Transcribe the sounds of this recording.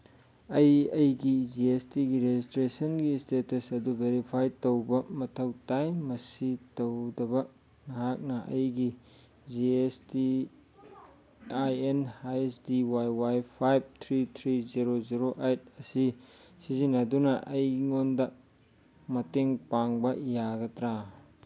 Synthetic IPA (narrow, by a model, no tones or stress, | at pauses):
ɐjɐjɡid͡ʒiestiɡiɾezistɾesɐnɡistetɐsɐdubeɾipʰajtowbɐmɐtʰɐwtajmɐsitowdɐbɐ | nɐɦak̚nɐʔɐjɡi | d͡ʒiesti | ajenajesdiwajwajpʰajb̚t̪ʰɾit̪ʰɾiziɾoziɾoʔejt̚ɐsisizinɐdunɐʔɐjŋondɐ | mɐteŋpaŋbɐjaɡɐtɾa